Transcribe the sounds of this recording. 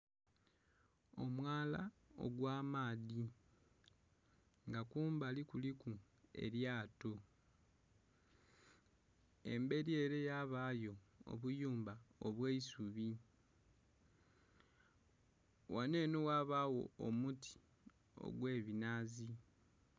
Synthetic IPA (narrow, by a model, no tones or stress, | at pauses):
o̞mwaːla̰o̰ɡwaːmaːði | ŋɡakuːmbalikuliku | e̞̰ɾjaːto | ḛmbe̞ɾjeːɾe̞jaːβaːjo̞o̰βujuːmbaoβweisuβi | wane̞ːnuwaːβawo̞̰omutʰi̥ | o̞̰ɡwe̞ːβinaːzi